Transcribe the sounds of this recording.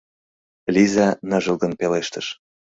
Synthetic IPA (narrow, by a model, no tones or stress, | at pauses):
lʲizɑnəʒə̆lˠɡ̪ə̆npeleʃt̪əʃ